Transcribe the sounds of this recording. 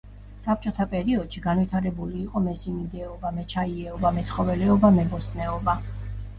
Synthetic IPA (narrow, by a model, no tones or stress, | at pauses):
sap̚ʰt͡ʃʼɔt̪ʰapʼɛɾiɔd̪̥ʃiɡanvit̪ʰaɾɛbuliːqʼɔmɛsimid̪ɛɔbamɛt͡ʃʰaiɛɔbamɛt̪sʰχɔvɛlɛɔbamɛbɔsnɛɔba